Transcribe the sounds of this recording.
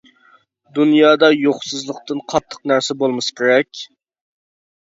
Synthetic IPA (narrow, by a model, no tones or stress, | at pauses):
d̪unjɑːd̪ɑjoχsɨzlˠəq̚t̪ɨnqʰɑt̪ʰːə̥qnæɾsɪbolˠmɨskʲʰeɾɛkʲ